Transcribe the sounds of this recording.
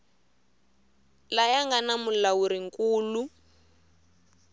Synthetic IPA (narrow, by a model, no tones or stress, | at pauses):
lajaŋɡanamulawuɾiŋ̩kuːlu